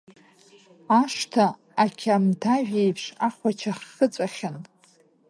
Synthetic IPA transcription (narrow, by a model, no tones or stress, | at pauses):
aʂtʰaː | kʲʰamtʰaʒᶣejpʰʂaχʷat͡ʃʰaχət͡sʷʼaχʲan